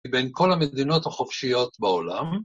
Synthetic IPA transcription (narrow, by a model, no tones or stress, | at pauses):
benko̞lamed̪ino̞thaχofʃijo̞t̪baolam